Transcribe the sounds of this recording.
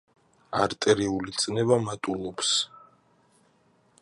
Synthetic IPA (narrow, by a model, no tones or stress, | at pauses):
aɾt̪ʼɛɾiulit̪sʼnɛvamat̪ʼulˠɔps